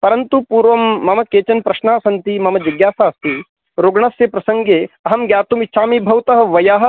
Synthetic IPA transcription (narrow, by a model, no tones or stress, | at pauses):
pɐɾɐnt̪upuːɾʋɐmːɐmɐkeːt͡ʃɐnpɾɐʃnaːsɐnt̪imɐmɐd͡ʒɐɡjaːsaːst̪i | ɾoɡɳɐsjɐpɾɐsɐŋɡeːɐɦɐmɡjaːt̪umit͡ʃʃʰaːmibʱɐwt̪ɐɦɐ̆ʋɐjaːɦɐ̆